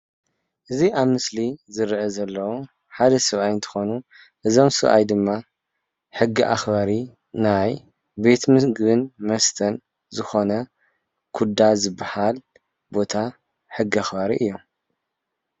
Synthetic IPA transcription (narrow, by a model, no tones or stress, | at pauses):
ʔɨziʔaβmɨslizɨɾʔɐzɐlːɐwu | ħad̪ɐsɨβʔajɨnt̪ʰɨ̥xo̞nu | ʔɨzo̞msɨβʔa̰jd̪ɨmːa | ħɨɡːiʔa̰xbaɾi | naj | be̞t̪mɨɡɨβɨnmɐst̪ʰɐn | zɨxo̞nɐ | kʰud̪azɨbːahal | bo̞t̪ʰa | ħɨɡːiaxbaɾiʔɨjːom